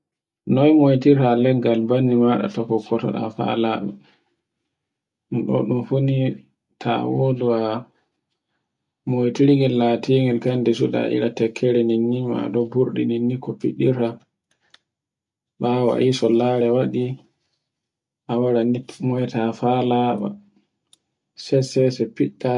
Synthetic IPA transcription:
nɔjmojtiɾalɛɡɡalbanːimaɗa̰tɔkːɔkːɔtɔ̰ɗa̰fa̰laɗṵ | ɗɔ̰ɗumfuni | tʰa̰woduwa | mojtiɾiŋɡɛlːatiŋɛlkandɛsuda̰ʔḭɾatɛkʰːɛɾɛninːima̰ɗɔbuɾɗininːikɔpḭɗiɾa | ɓawa̰ʔisɔlaɾɛwaɗi | ʔawaɾanimɔɛtafalaɓa̰ | sɛsɛsɛpiɗːa

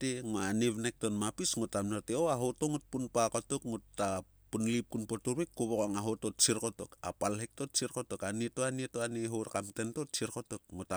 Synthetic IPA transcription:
teŋoaneβnek̚tonmapisŋotamnateoaɦotoŋut̚punpakotokŋutːa | punlip̚kunpotuɾβikːoβokaŋaɦotott͡ʃiɾko̞toka̰palɦek̚to̞t̚t͡ʃiɾko̞tokanitoanietoaneɦoɾkamtento̞tt͡ʃiɾko̞tokŋuta

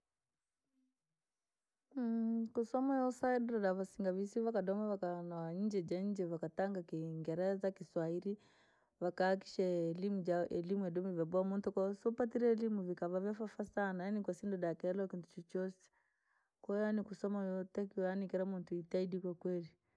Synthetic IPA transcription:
kusɔmajɔsaɛdɔɾaɗavasiŋɡaβisiβakaɗɔmaβakanaaɲ̩d͡ʒɛd͡ʒaɲd͡ʒɛβakataŋɡakiŋɡɛɾɛzakiswaiɾi | vakaːk̬i̥ʃalimud͡ʒaʔɛlimuɛɗumuvjabɔamɔntɔkasɔpatiɾɛɛlimuvikaβavjafafasanajanikwasindɔɗakɛlɔkintu̥t͡ʃɔt͡ʃɔsɛ̥ | kaanikusɔmajɔtɛkiwanikɛɾamɔntuitaidikwakwɛli

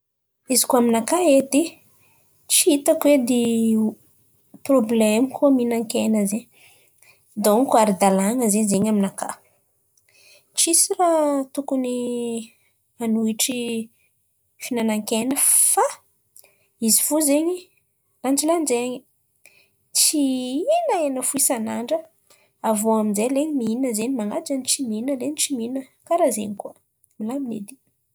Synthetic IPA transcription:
izi̥kuaminakaed̪e | t͡ʃiit̪akwed̪e | problemikʰuminaŋkenazeɲ | d̪oŋkuaɾid̪alaŋəzezeɲaminaka̰ | t͡ʃisirat̪ukuni | anuiʈ͡ʂi | finanaŋkenəfa | izi̥fuzeɲi | land͡ʒilanzeɲi | t͡siinaenəfuisanaɳɖ͡ʐə | avoaminzeleɲimiinəzeɲimaŋad͡ʒanit͡ʃiminəlenit͡ʃiminəkaɾazḛɲikuə | milaminḛd̪i

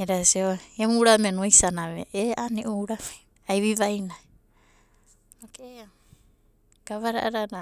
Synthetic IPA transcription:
eɾasioemuuɾamenuajsanaβeʔeaniʔuuɾama | ajβiβajna | nokea | ɡ̥aβaɾa̰ʔaɾana

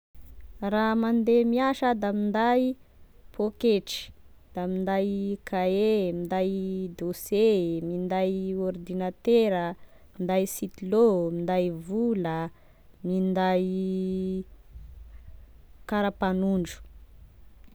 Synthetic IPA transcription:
ramand̪emiaʃad̪amind̪ajpʰokeʈ͡ʂi̥d̪̥amind̪ajkʰaemind̪ajd̪osemind̪ajɔrd̪inat̪eɾə | mind̪ajsit̪ilomind̪ajvulə | mind̪aj | kaɾapanuɳɖ͡ʐu̥

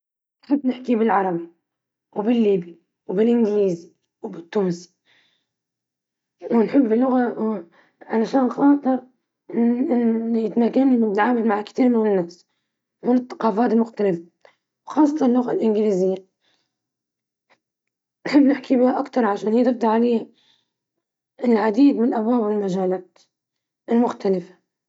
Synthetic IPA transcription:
nħɪbːnɪħkibɪlʕɑɾˤɑbi | wbɪlːiːbi | wbɪlʔɪnɡliːzi | wbɪt̪ːuːnsi̥ | wɪnħɪbːɪlːʊɣa | ʕalaʃaːnxɑːt̪ˤɨɾ | ʔɪnɪnːjɪt̪maːkanimʊt̪ʕaːmalmaʕkt̪iːɾmɪwɪnːaːs | mɪnɪt̪ːɑ̥qɑːfaːt̪ɪlmʊxt̪alɪfa | wxɑːsˤːɑt̪ɑnɪlːʊɣalʔɪnɡɪliːzɪjːa | nħɪbːnɪħkibɪhaʔakt̪ɑɾˤʕaʃaːnhiːt̪ɪb̚d̪aʕalajha | ɪlʕad̪iːd̪mɪnɪlʔabwaːbwɪlmaʒaːlaːt̪ | ʔɪlmʊxt̪alɪfḁ

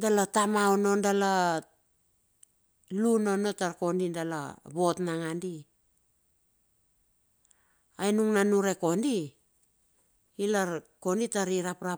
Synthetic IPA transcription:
dalatamaono̞ndala | lunono̞taɾko̞ndindala̰βo̞tnaŋandi | ajnuŋnanuɾe̞ko̞ndi | ilaɾko̞nditaɾiɾapɾa

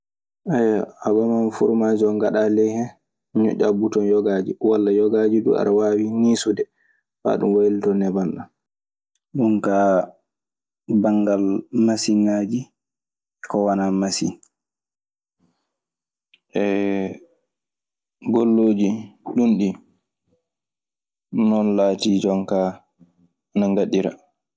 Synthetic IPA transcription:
ʔɛjaabamanfuɾmad͡ʒiɔŋɡaɗalɛhɛ | ɲɔ̰ʔabutɔnjɔɡaːd͡ʒiwalːajɔɡaːd͡ʒiɗṵa̰ɾawaːwiniːsudɛ | fa̰ːɗṵmwajltɔnɛbanɗa | ɗunka | baŋɡalmasinad͡ʒi | ɛkɔwanamasḭ | ʔɛ | ɡolːoːd͡ʒiɗunɗi | nɔnlaːtid͡ʒɔŋka | naŋɡaɗiɾa̰

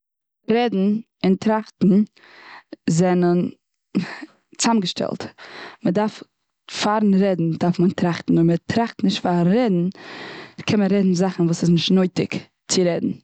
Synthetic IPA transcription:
ɾɛdn̩ | ɪntɾaχtn̩ | zɛnən | t͡samɡəʃtɛ̰lˠtmədaɾf | faɾn̩ɾɛdn̩daɾfməntɾaχtn̩ʊmətʰɾaχtnɪʃtfaɾɛdn̩ | kʰɛnməɾɛdn̩zaχn̩vuːsɪsnɪʃtnoɪtɪk | t͡sɪɾɛdn̩

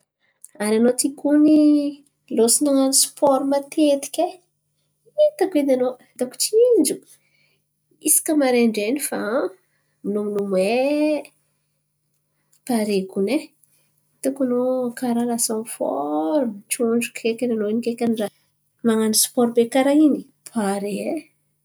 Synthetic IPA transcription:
ananot̪ikuni | losinaŋanisu̥pɔɾumat̪et̪i̥kʲe | t̪akenano | d̪aku̥t͡ʃind͡ʒu | isi̥kəmaɾeɳɖ͡ʐenifa | minuminumwe | paɾekune | t̪ukanokaɾalasãnfɔ̰ɾut͡ʃuɳd͡ʒukʰekʲananoinikekʲanɖ͡ʐa | maŋanisu̥pɔɾbekaɾaini | pʰaɾe

